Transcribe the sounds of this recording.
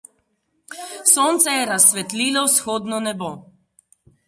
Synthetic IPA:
soːnt̪sɛjɛɾasːʋɛt̪liːlɔwsxoːd̪nɔnɛbo

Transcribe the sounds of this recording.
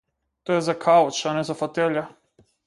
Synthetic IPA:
t̪ojɛzakʰaɔt͡ʃanɛzafot̪ɛʎa

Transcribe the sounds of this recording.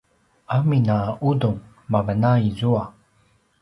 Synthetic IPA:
aminaʔud̪oŋ | mavənaizua

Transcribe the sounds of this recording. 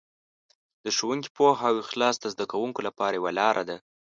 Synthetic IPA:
d̪əʃowuŋki̥pohawexlɑsd̪əzd̪akawuŋkolapɑɾajewalɑɾʔad̪a

